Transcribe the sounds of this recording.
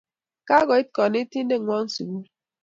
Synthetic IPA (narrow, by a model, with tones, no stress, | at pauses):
ka˦ɡɔ˨i˦t̚kɔ˨ne˦ti˦n̩˦de˦˨ŋʷɔ˦n̩˦sṵ˨ɡu˦